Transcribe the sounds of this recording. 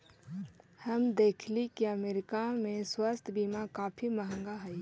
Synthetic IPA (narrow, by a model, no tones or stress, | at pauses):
həmd̪eːkʰlikiəmeːɾɪkamẽswəst̪ʰbiːmakaːpʰiməɦə̃ŋɡaɦɛi